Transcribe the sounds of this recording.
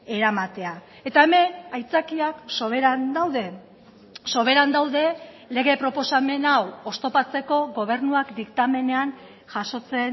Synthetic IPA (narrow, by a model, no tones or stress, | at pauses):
e̞ɾamat̪e̞a | e̞t̪aeme̞najt͡sakiakso̞βe̞ɾand̪awðe̞ | so̞β̞e̞ɾand̪awðe̞ | le̞ɣe̞pɾo̞po̞same̞nawo̞st̪o̞pat͡se̞ko̞ɣo̞β̞e̞ɾnuakd̪ikt̪ame̞ne̞an | ʝaso̞t͡se̞n